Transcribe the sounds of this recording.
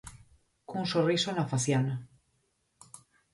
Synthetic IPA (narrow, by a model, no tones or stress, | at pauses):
kunsorisonafaθjana